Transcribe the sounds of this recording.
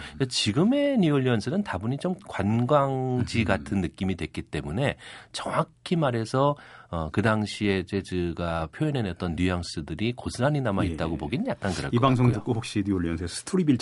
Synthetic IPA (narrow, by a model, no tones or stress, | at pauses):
at͡ɕiɡɯme̞ɲuoʎːiʌnsʰɯnɯntabuɲit͡ɕomkwanɡwaŋd͡ʑiɡatʰɯnːɯk͈imidwe̞k͈it͈e̞mune̞t͡ɕʌŋakʰimaɾɦe̞sʰʌʌkɯdaŋɕʰie̞d͡ʑed͡ʑɯɡapʰjoinenjʌt̚t͈ʌnjujaŋs͈ɯdɯɾikosʰɯɾaɲinamait̚t͈aɡopoɡinɯɲjak̚k͈ankɯɾa̰ibaŋsʰoŋdɯk͈ohok̚ɕ͈iɲuoʎːiʌnsʰesʰɯ̥tʰuɾibiɭt͡ɕ